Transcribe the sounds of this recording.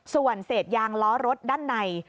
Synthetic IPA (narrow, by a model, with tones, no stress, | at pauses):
su˨˩ənseː˨˩t̪̚jaː˧ŋlɔː˦˥ɾo˦˥t̪̚daː˥˩nːa˧j